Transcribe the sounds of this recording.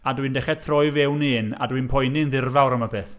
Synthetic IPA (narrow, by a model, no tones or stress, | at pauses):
adwindɛχɛd̚t̪ʰrɔɨvɛwniːna̰dwinpʰɔjnɪnðɪrvawɾəmabeːθ